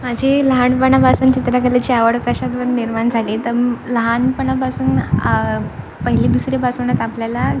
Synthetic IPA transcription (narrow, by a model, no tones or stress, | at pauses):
mad͡ʑʱiləɦaɳpəɳabasuːnt͡ɕit̪ɾakəlat͡ɕiaʋəɽkəɕat̪ʋəɾniɾmaɳd͡zʱaliːt̪ələɦanpəɳabasuːn | pəɦilid̪usɾebasuɳat̪apljala